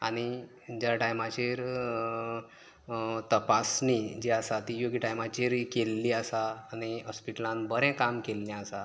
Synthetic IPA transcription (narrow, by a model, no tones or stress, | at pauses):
a̰ñi | d͡ʑjaʈajmat͡ɕeɾ | t̪əpasnid͡ʑeasat̪ijoɡiʈajmat͡ɕeɾkelːiəsaːñiɦɔspiʈəlãnbəɾɛ̃kamkelːɛ̃əsa